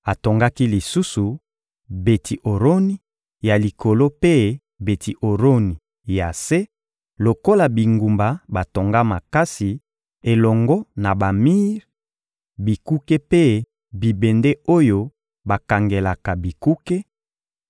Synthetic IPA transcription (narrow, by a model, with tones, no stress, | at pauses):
a˨to˨ŋɡa˦ki˦li˨su˦su˨ | be˨tʰi˨ʔo˨ʁo˦ni˦ | ja˨li˨kʰo˨lo˦pe˦ | be˨ti˨ʔo˨ʁo˦ni˨ | ja˨se˦ | lo˨ko˦la˨bi˨ŋɡu˨mba˨ba˨to˨ŋɡa˦ma˨ka˦si˨ | e˨lɔ˨ŋɡɔ˦na˨ba˨mi˦ʁ | bi˨ku˦ke˦pe˦ | bi˨be˨nde˦o˦jo˦ | ba˨ka˨ŋɡe˨la˨ka˨bi˨ku˦ke˦